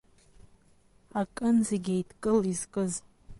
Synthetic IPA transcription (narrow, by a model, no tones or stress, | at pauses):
akʼɨnzeɡʲejtʰkʼɨlizkʼɨz